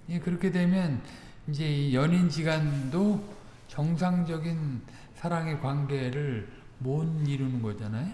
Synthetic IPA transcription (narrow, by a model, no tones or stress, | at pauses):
je̞kɯɾʌkʰe̞dwe̞mjʌn | ind͡ʑe̞ijʌɲind͡ʑiɡando | t͡ɕʌŋs̬ʰaŋd͡ʑʌɡin | sʰaɾaŋe̞kwanɡe̞ɾɯɭ | moniɾunɯnɡʌd͡ʑanajo